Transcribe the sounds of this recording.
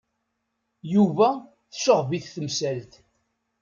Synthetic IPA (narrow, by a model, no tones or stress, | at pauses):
juvæ | θəʃoʁviθθəmsælt̪